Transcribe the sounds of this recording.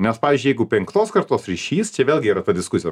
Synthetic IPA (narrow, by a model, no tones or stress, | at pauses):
nʲɛspɑːʋʲiːzʲd͡ʒʲʊɪjɛɪɡʊpʲɛŋkt̪oːskɐɾt̪oːsɾʲiʃʲiːst͡ʃʲɛʋʲeːlʲˠɡʲɪiːɾɐt̪ɐd̪ʲɪskʊsʲɪjo